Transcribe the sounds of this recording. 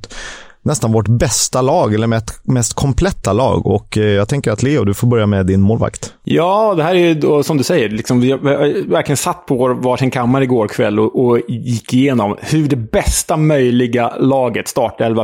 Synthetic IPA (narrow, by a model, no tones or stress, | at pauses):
nɛst̪anvɔʈbɛst̪alɑːɡɛlːəɾmɛt̪mɛst̪kʰɔmpʰlɛt̪ːalɑ̰ːɡɔ̰kjɑːt̪ʰɛŋkəɾat̪ʰlɪːɔd̪ɵfoːɾbœɾjamɛd̪ɪnmoːlva̰kt̪ | jɑːd̪ɛhæːɾæɾjɵd̪osɔmd̪ɵsɛjːəɾlɪksɔmvɪvæɾkʰlɪɡənsat̪ːpʰɔvoɾvaʂɪnkʰamːaɾəɪɡoːɾkʰvɛ̰lːɔʔɔjɪkːɪjeːnɔmhɵɖɛbɛst̪amœjlɪɡalɑːɡət̪st̪ɑːʈɛlva